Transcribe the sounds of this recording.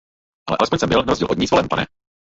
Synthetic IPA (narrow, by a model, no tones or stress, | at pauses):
ʔalɛ̰ʔa̰lɛs̬poɲsɛmbɪlnaɾozɟɪlʔod̪ɲiːzvolɛmpanɛ̰